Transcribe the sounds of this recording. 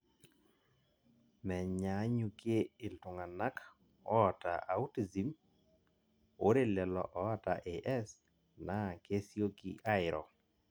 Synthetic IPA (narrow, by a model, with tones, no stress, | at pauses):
mɛ˨ɲa˨˦ɲu˨ke˦ɪ˨ltʊ˨ŋa˨na˦k | ɔ˦ɔ˨ta̰˨ʔa˨u˦ti˨zi˨m | o˦ɾe˨lɛ˨lɔ̰˨ʔɔ˨˦ɔ˦ta˨ʔe˨ʔɛ˦s | na˦˨ke˦sjo˦kḭ˦ʔa˦ɪ˨ɾɔ̰˨